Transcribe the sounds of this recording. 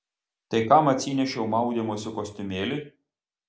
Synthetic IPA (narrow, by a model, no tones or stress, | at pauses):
t̪ɐɪkamɐt̪ʲsʲinʲɛʃʲɛʊmɑˑʊd̪ʲɛmoːsʲɪkɔsʲt̪ʲɪmʲeːlʲɪ